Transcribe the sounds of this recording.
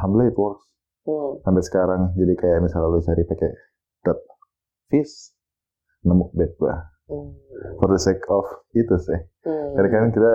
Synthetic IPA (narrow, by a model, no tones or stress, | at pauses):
hamblait̪wɔrs | ambasə̥kaɾaŋd͡ʒadikajaʔmisalalut͡ʃaɾipakɛ | d̥ɔt̪̚ | fis | namuʔbɛt̪̚ba̰h | fɔrdəsɛkʰɔfit̪usɪh | kaɾakaɾaŋt̪ida